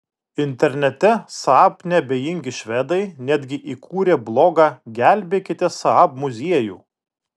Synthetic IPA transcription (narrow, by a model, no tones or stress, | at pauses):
ɪnʲt̪ʲɛɾʲnʲɛt̪ʲɛsɐɑpnʲɛɐbʲejɪŋʲɡʲɪʃʲʋʲɛd̪ɐɪnʲæd̪ʲɡʲɪʔikʰuːɾʲeːblˠoːɡɑɡʲæˑlʲbʲeːkʲɪt̪ʲɛsɐɑpmʊzʲiɛjṵː